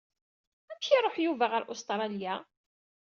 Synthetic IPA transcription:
ænçiɾˤoħjuvaʁəɾʔʊst̪ɾˤɑlja

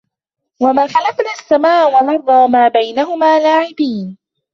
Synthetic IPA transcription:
wamaːxalafnaːasːamaːʔwɑnɑrˤːɑːmaːbajnahʊmaːlaːʕɪbiːn

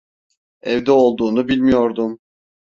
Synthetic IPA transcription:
ɛvd̪ɛo̞lˠd̪uːnubilʲmijo̞ɾd̪um

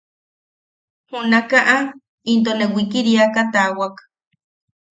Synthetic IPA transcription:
hunakaʔa | int̪onewikiɾiakat̪awak

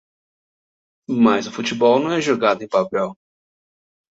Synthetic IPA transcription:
mɐzʊfut͡ʃibɔwnɐ̃w̃ɛʒoɡad̪ʊẽj̃papɛw

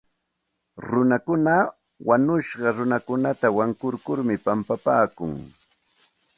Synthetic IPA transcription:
ɾʊnakʊna | wanʊʃɢɑɾʊnakʊnat̪awaŋkʊɾkʊɾmɪpampapaːkʊ̰ŋ

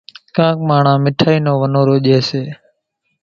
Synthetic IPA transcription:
kãːk̚maːɳ̤ãːmɪʈʰaːiːnõːʋənoːɾoːʄeːseː

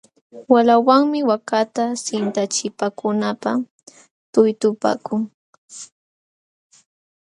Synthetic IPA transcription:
walawaŋmɪwakat̪asɪnt̪at͡ʃɪpakʊnapa | t̪ʊjt̪ʊpa̰ːkʊŋ

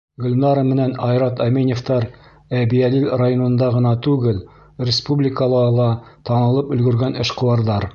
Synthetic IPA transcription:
ɡɵ̆lʲnɑɾəmːɘ̆nænɑjɾɑt̪ɑmenʲeft̪ɑɾ | æbijælilʲrajonɤ̆nd̪ɑʁɤ̆nɑt̪ʉɡɘl | rʲɪspublʲɪkəlˠɑlˠɑt̪ɑnɤ̆lˠɤpɵ̆lɡɵ̆ɾɡænɘ̆ʃqŏwɑɾðɑɾ

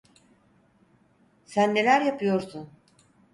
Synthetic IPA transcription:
sænːe̞lʲæɾjapʰɯjo̞ɾsun

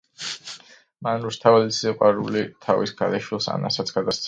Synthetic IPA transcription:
manɾust̪ʰavalisiqʼwaɾulit̪ʰavisɡad̪ɛʃwilˠsa̰na̰sat̪sʰɡ̥ad̪ast̪sʰ

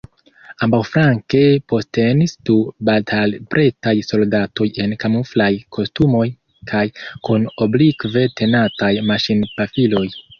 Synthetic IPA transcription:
ambawfɾaŋke̞po̞ste̞nisd̥ubaltʰalpɾʔetajso̞ldato̞je̞nkamuflajkʰo̞stumo̞j | kʰajkuno̞blikve̞tʰe̞natajmaʃinpafilo̞j

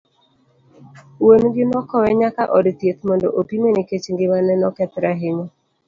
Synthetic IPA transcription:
wonɡɪnɔkɔwɛɲakaʔɔdt̪jet̪mɔndɔ̰ʔopimeniket͡ʃŋɡɪmanɛnɔkɛt̪ɾaɦɪɲɔ

